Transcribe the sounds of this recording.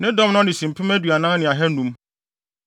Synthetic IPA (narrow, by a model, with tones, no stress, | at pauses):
nɪ̃˦dɔ̃˦m˦nʊ̃˦nɪ̃˨sĩ˨m̩˨pʰɪ̃˦mæ˦dɥa˨nã˦nɪ̃˨a˨ɦɛ˦nũ˦m